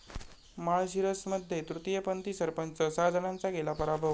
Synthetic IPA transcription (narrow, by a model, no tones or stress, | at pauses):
maɭɕiɾəsməd̪ʱːjet̪ɾut̪ijəpənt̪isəɾpənt͡səsad̪ʱənãnt͡saɡelapəɾabʱəʋ